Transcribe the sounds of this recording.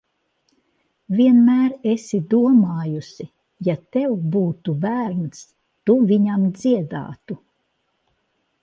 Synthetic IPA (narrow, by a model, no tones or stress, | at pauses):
viɛnmæːɾesid̪uɔmaːjusi | jat̪ɛwbuːt̪ubæːɾns | t̪uviɲamd̪ziɛd̪a̰ːt̪u